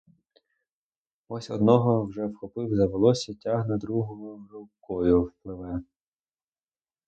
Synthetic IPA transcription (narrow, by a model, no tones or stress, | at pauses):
ɔsʲɔ̰d̪nɔɦɔwʒɛwxɔpɪwzɐʋelˠɔsʲɐtʲaɦnɐd̪ɾuɦɔmʊrʊwkɔjʊwplˠɪʋɛ